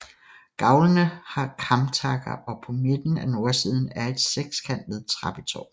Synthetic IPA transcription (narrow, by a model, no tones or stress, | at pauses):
ɡ̥ɑ̈ʊlənəhɑ̈kʰɑ̈mt͡sʰɑ̈ɡ̥ɐʔɒ̽pʰɒ̽me̝d̥n̩æno̝ːɐsiːð̞ˠn̩æɐe̝d̥seɡ̥skʰæn̰d̥ʋeðˠt͡sʰʁɑ̈b̥it͡sʰɒ̰ː